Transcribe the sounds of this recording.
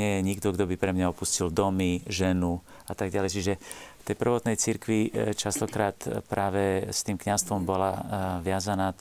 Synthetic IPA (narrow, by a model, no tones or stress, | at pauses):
ɲɪɛjɛɲiɡd̪ɔɡd̪ɔbipɾɛmɲaɔpuscild̪ɔmiʒɛnuat̪aɡɟalɛjt͡ʃiʒɛft̪ɛjpr̩ʋɔt̪nɛjt͡siɾkʋit͡ʃast̪ɔkɾaːt̪pɾaːʋɛst̪iːmkɲast̪ʋɔmbɔlaʋɪazanaː